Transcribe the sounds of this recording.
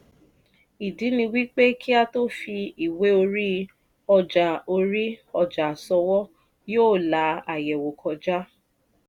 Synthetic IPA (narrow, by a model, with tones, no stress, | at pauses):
i˨di˨˦nĩ˧wi˦k͡pe˦kʰi˦a˧to˦fi˧i˨we˦o˧ɾi˦ | ɔ˧d͡ʒa˨o˧ɾi˦ɔ˧d͡ʒa˨sɔ˧wɔ˦ | joː˦˨la˨˦a˨jɛ˨wo˨kʰɔ˧d͡ʒa˦